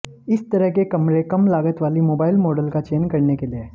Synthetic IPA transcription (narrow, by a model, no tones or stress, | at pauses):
ɪst̪ɐɾəɦkekɐmɾekɐmlaːɡət̪ʋaːlimoːbaːɪlmoːɖəlkat͡ʃeːnkɐɾnekelieː